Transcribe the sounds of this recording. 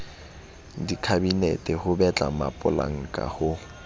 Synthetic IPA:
dikʰabinḛtʼɪhʊbɛt͡ɬʼa̰ma̰pʼʊla̰ŋ̩kʼa̰hʊ

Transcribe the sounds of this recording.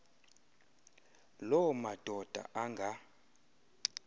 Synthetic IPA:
lɔmad̥ʱɔd̥ʱa̰ʔaŋɡʱa

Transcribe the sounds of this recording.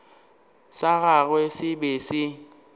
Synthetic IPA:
saɣaɣwɛsɪbesɪ

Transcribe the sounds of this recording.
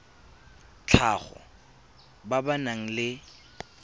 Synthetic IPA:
t͡ɬʰaχɔ̰ | babanaŋ̩lɪ

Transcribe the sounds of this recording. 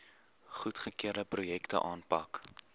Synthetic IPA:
χutχəkiəɾdəprujɛktə̰ʔɑːnpɐk

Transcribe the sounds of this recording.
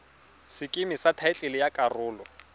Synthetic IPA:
sɪkʼɪmɪsatʰaɪt͡ɬʼɪlɪjakʼarʊːlɔ

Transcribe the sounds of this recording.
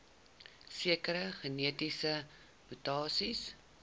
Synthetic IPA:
siəkəɾəχəniətisə | mutɑːsis

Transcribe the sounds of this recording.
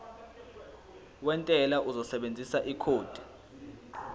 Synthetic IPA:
wɛntʼɛlaʔuzɔsɛɓend͡zʱisaʔikʰoːd̥ʱi̥

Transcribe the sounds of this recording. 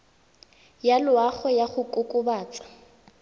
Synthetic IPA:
jalʊaχɔjaχʊkʼʊkʼʊbaːt͡sʼḁ

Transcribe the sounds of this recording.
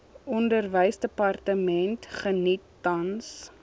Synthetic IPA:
ɔndərvəjsdəpɐrtəmɛntχənitːɐns

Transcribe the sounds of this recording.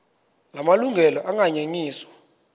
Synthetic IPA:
lamaluŋɡʱɛlɔʔaŋaɲeɲiːswḁ

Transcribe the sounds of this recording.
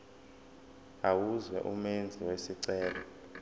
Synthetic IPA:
awuzwɛ̰ʔumend͡zʱiwesiǀɛːlɔ

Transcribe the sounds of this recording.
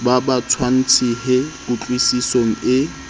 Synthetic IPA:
babat͡sʰwan̩t͡sʰiɦɪkʼʊt͡ɬʼwisisoŋ̩ɪ

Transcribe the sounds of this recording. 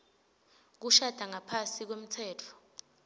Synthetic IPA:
k̬uʃad̥ʱaŋapʰasik̬wem̩t͡sʰɛːtʰɔ̥

